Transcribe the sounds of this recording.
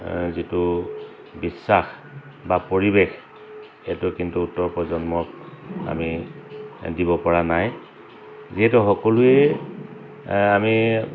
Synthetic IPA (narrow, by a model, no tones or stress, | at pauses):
zitʊ | bisːax | bapoɹibex | ɛtʊkintuːtːɔɹpɔzɔnmɔk̚a̰mi | dibɔpɔɹanaj | ziɦɛtuxɔkɔlʊɛ | ami